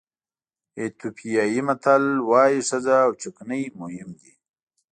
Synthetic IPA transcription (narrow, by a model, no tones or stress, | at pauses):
et̪upʰijɑjimat̪alwɑːjiʂazaːwt͡ʃʊknəjmʊhɪmd̪i